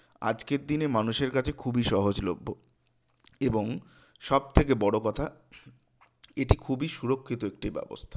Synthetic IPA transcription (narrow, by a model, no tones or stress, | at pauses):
a̰d͡ʑkeɾd̪inemanuʃeɾkat͡ɕʰekʰubiʃɔɦod͡ʑlo̰bʱːo | eboŋ | ʃɔb̚t̪ʰek̬ebɔɽokɔt̪ʰa | eʈikʰubiʃuɾokʰːit̪oek̚ʈibɛ̰bo̰st̪ʰḁ